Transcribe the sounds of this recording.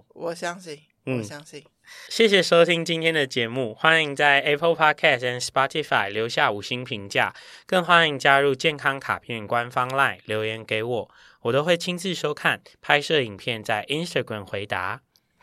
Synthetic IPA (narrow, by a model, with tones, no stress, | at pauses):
wɔ˨˩ɕjɑ˥˦ŋɕi˥˨ŋ | n̩˥˩˨ŋi˥˨ | ɕjɛ˥˩ɕ̬jɛ˨˩ʂo˥ʊt̪ʰi˦ŋt͡ɕi˥nt̪ʰjɛ˥nd̪ə˨t͡ɕjɛ˧˦mu˥˩xwa˦ni˧˦ŋt͡sa˥˩ɪɛ˥pʰə˥lpʰɑ˥kʰɛ˥˩sə˧˥nspɑ˦t̪ʰi˧˥fa˥˩ɪljo˧˥ʊɕja˥˩u˨˩ɕi˥ŋpʰi˧˥ŋt͡ɕja̰˥˩kə˥˩ŋxwa˦˥ni˧˥ŋt͡ɕja˦ɻu˥˧t͡ɕjɛ˥˩nkʰɑ˥ŋkʰa̰˨˩pʰjɛ˥˩nkwa˦nfɑ˦ŋla˥˩ɪljo˧˥ʊjɛ˧˥nke˧˥ɪwɔ˨˩˦ | wɔ˨˩t̪o˥ʊxwe˥˩ɪt͡ɕʰi˥nt͡sɻ̩˥˨ʂo˥ʊkʰa˥˩˨npʰa˥ɪʂɤ˥˩i˨˩ŋpʰjɛ˥˧nt͡sa˥˩ɪʔi˦˥nst̪ʰa˥˩ɡɹa˨˩mxwe˧˥ɪt̪a̰˧˦